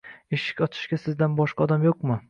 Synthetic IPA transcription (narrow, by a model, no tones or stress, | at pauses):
eʃɪ̥kʲɒt̪ʰɪ̥ʃɡʲasɪzd̪anbɒʃqɑɒd̪amjoq̚mʊ